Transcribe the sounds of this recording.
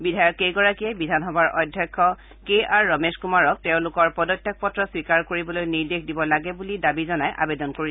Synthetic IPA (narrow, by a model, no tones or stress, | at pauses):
bidʱajɔtejɡɔɹakiɛbidʱanxɔbaɹʔɔjdʱjɔkʰːɔ | keʔaɹːɔmeskumaɹɔk̚teʊ̃lʊkɔɹpɔdɔtjɔk̚pɔtɹɔswikaɹkoɹibɔlojniɹdekʰdibɔlaɡɛbulidabizɔnajʔa̰bedɔnkoɹi